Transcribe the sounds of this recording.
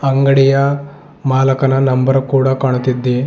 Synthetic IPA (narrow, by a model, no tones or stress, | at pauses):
ɐŋɡɐɽijɐ | maːlɐkɐnɐnɐmbɐɾkuːɽakaːɳ̃ut̪id̪ːe